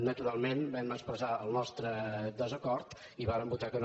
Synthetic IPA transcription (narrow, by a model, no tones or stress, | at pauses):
nət̪uɾalˠmenbɛməkspɾəzaəlˠnɔst̪ɾəd̪əzəkɔɾt̪ | iβaɾəmbut̪akən